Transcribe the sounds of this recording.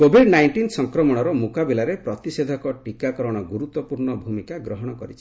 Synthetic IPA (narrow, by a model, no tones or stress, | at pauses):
kobʱiɖnajɳʈinsɔŋkɾɔmɔɽ̃ɔɾɔmukabilaɾepɾɔt̪ised̪ʱɔkɔʈikakɔɾɔɽ̃ɔɡuɾut̪wɔpuɾɳɔbʱumikaɡɾɔɦɔɽ̃ɔkɔɾit͡ʃʰi̥